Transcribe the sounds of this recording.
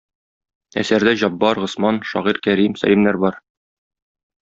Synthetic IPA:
æ̰sæɾd̪æʑɒbːɑɾʁŏsmɑnʃɒ̰ʁiɾkæɾimsæ̰limnæɾbɒɾ

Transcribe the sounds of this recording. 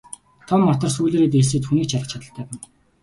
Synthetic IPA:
t̪ʰɔmːɔt̪ɞ̆rsuːɮeːɾeːt̪̬eːsɘ̆ːt̪xuniːk̚t͡ɕʰaɮə̆t͡ɕʰat̪ə̆ɬt̪ʰæːpæn

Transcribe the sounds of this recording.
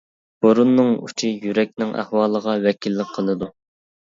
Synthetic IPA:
b̥oɾunːɨŋṵt͡ʃʰijyɾɛk̚ʲnɪŋʔæ̰hwɑːlˠəʁɑwɛkʲilːɪk̚ʲqʰəlˠɨd̪u

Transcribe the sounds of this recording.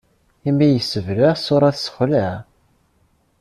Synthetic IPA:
imːijəsːəvləʁsʊɾˤɑθsə̥χlæ

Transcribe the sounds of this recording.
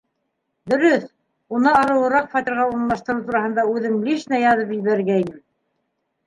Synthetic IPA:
d̪ɵ̆ɾɵθ | unɤɑɾɤ̆wɤ̆ɾɑqfɑt̪ʲiɾʁɑuɾnlˠɑʃt̪ɤ̆ɾɤwt̪uɾɑhɤ̆nd̪ɑʉðɘŋliʃnæjɑðɤpĭlβæɾɘɾɡæinɘm

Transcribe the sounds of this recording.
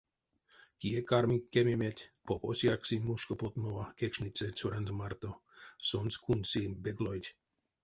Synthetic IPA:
kiekaɾmikːemimet̪ʲpoposjaksinʲmuʃkopot̪movakekʃnit͡sɛt͡suɾanzomart̪osonskʰunʲsibeɡlojtʲ

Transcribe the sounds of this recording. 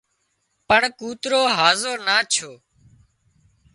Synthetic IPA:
pəɳkuːt̪ɾoːɦaːzoːnaːt͡ʃʰoː

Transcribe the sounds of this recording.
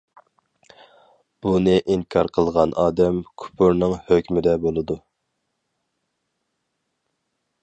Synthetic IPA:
b̥unɨʔiŋkʲʰɑɾqʰəlˠʁɑnʔɑːd̪ɛmkʲʰu̥pʰuɾnɨŋhøkʲmɪd̪ɛbolˠɨd̪u

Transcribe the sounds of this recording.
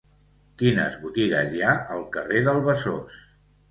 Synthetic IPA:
kinə̰zβut̪iɣəzjaəlˠkəreðəlˠβəsos

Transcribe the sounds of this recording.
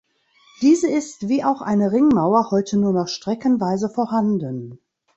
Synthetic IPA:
d̥iːzəɪstv̥iːaʊxʔa̰ɪnəʁɪŋmaʊɐhɔʏtʰənuːɐnɔχʃtʁ̥ɛkənvaɪzəfoːɐɦandən

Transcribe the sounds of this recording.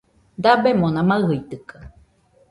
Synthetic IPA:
d̪abemonãmaɯɦɯit̪ɯka

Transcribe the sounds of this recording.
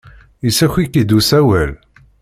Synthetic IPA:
isæçikːid̪usæwæl

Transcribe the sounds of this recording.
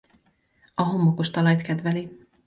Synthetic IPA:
ɒɦo̞mːokoʃt̪ɒlɒjt̪kɛd̪vɛli

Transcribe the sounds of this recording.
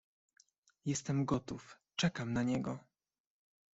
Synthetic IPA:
jɛst̪ɛmɡɔt̪uf | t͡ʂɛkamnaɲɛɡɔ

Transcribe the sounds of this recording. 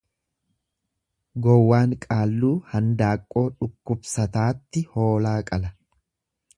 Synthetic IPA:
ɡɔwːaːŋkʼaːlːuːhɐnd̪aːkʼːo̞ːᶑʊkːʊbsɐt̪aːt̪ːɪho̞ːlaːkʼɐlɐ

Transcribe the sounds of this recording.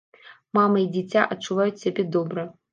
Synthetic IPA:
mamɐid͡zʲit͡sʲaʔɐt͡ʂːuvajut͡sʲsʲabʲed̪obɾɐ

